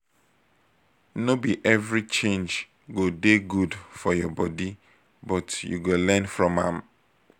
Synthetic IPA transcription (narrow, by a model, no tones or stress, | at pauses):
nobiʔɛvɹit͡ʃẽnd͡ʒ | ɡodeɡudfɔjɔbɔdi | bɔtjṵɡolɛ̃nfɹɔ̃mã̰m